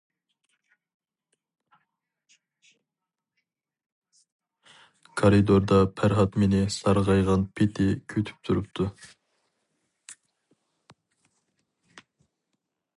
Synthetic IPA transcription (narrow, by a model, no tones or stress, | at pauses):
kʰoɾid̪oɾd̪ɑpʰæɾʁɑt̪menɪsɑɾʁɑjʁɑnpʰet̪ʰɪkʲʰøt̪ʰy̥p̚t̪ʰuɾup̚t̪ʰu